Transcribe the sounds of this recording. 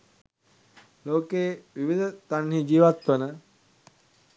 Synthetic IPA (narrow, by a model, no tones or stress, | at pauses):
loːkeːʋiʋid̪ət̪anhid͡ʒiːʋat̪ʋənə